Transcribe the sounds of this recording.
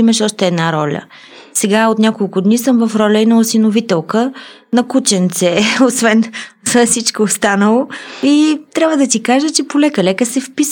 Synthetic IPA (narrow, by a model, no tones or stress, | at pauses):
imɐʃɔʃt̪ɛːd̪naɾɔlʲə̰ | sɛɡaot̪nʲakolˠkʊd̪nisɤmvɐfɾɔlʲəinəlˠsinovit̪ɛlˠkə | nɐkut͡ʃɛnt̪sɛosvɛnəsit͡ʃkoːst̪anəlˠoit̪ɾʲabvəd̪ɐt̪ikaʒət͡ʃɛpolɛkəlɛkəsɛfpis